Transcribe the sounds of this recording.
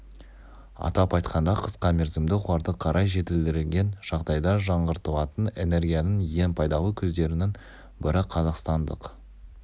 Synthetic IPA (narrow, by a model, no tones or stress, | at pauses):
ɑ̰t̪ɑpɑjt̪qʰɑnd̪ɑqʰə̥sqɑmʲeɾzɪmd̪ɪχʊɑɾd̪əqʰɑɾʔɑjʒe̞t̪ɪld̪ɪɾɪlɡʲe̞nʒ̥ɑʁd̪ɑjd̪ɑʒɑɴʁəɾt̪əlˠɑt̪əne̞ne̞ɾɡʲijanəɴje̞npʰɑjd̪ɑlˠəkʲʰɵzd̪e̞ɾɪnɪŋ | bɪɾɪqʰɑzɑqst̪ɑnd̪ə̰q